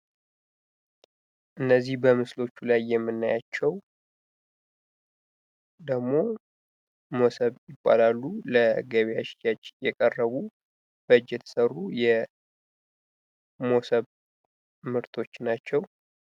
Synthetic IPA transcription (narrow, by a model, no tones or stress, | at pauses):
ʔɨnːəzːihbəmɨslo̞t͡ʃːulajːɛmːɨnːajat͡ʃːɛw | d̪əɡmo̞ | mosəβjɪbʼːa̰lalːuləɡəβjaʃjat͡ʃːjɛkʼərːəβu | b̥əɨd͡ʒːjɛt̪ʰə̥sərːujɛ | mo̞səβ | mɨɾt̪ʰo̞t͡ʃːnat͡ʃːɛw